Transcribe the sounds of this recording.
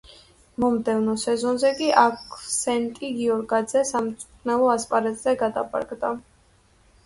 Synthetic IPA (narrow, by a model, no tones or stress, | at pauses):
mɔmd̪ɛvnɔsɛzɔnzɛkʼiʔakʰsɛnt̪ʼiɡiɔɾɡad̪zɛsamt̪sʼu̥t̪ʰnɛlˠɔaspʼaɾɛt̪ʼz̥ɛɡad̪a̰pʰʼa̰ɾɡd̪a